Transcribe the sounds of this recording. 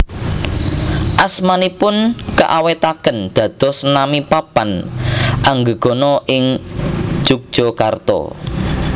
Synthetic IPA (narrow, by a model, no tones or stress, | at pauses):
ʔasmanipʊnkə̰ʔawet̪akənd̪̥ä̤d̪̥ɔ̤snamipapanʔaŋɡəɡ̥ɔ̤nɔʔɪŋ̥ | d͡ʒ̥uk̚d̥ʒ̥ɔkart̪ɔ̰